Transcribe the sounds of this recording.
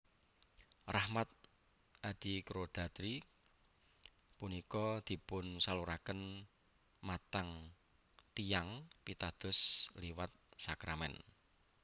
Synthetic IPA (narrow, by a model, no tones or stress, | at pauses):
rahmat̪̚ | ad̪̥ikɾod̪̥a̤t̪ɾi | punikɔd̪̥i̤pʊnsaluɾakən | mat̪aŋ | t̪ijaŋpit̪ad̪̥ʊ̤sliwat̪̚sakɾamɛ̰n